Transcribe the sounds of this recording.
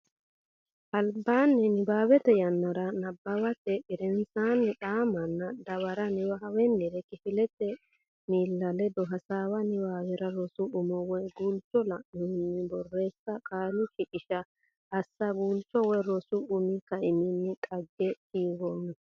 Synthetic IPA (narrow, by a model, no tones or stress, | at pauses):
ʔɐlbːaːnːɛnɪbaːwɛt̪ɛjɐnːɐɾɐnɐbːɐwɐt̪ɛʔɪɾɛnsaːnːɪᶑaːmɐnːɐd̪ɐβɐɾɐnɪwɐwɛnːɪɾɛkɪfɪlɛt̪ɛ | niːlːɐlɛd̪ɔɦɐsaːwɐnɪbaːwɛɾɐɾɔsʊʔʊmɔwɔɡuːlt͡ʃːɔlɐʔɪnɪnːɪbɔrːe̞ːsːɐkʼaːlʊʃɪʔɪʃɐ | ʔɐsːɐɡuːlt͡ʃːɔwɛjɾɔsʊʊmɪkɐʔɪnɪnːɪt̪ʼɐɡːɛtiːɡonɪ